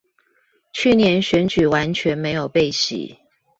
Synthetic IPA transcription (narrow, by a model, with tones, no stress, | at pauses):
t͡ɕʰy˥˨njɛ˧˦nɕɥɛ˧˥nt͡ɕy˨˩wa˧˦nt͡ɕʰɥɛ˧˦nme˧˦ɪjo˨˩ʊpe˥˩ɪɕḭ˨˩˦